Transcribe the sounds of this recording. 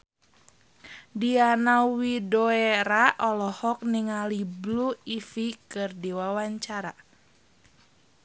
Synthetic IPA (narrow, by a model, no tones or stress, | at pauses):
dianawidoeɾaʔɔlɔhɔk̚niŋalibluifikɨrdiwawaɲt͡ʃaɾa̰